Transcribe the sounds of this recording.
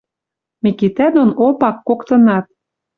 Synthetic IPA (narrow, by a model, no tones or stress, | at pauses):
mikit̪æd̪onopɑkːokt̪ɤ̆nɑt̪̚